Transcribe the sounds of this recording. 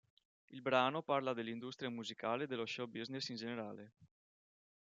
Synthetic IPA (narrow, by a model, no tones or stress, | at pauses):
ilbɾaːnoparlad̪elːind̪ust̪ɾiamuzikaːled̪eloʃɔbiznesind͡ʒeneɾaːle